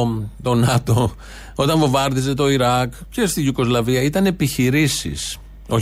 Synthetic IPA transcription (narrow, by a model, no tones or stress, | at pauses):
t̪o̞nɐt̪o̞ | o̞t̪ɐɱvovɐɾðize̞t̪o̞iɾɐkce̞st̪iʝuko̞zlɐviɐit̪ɐne̞piçiɾisḭs | o̞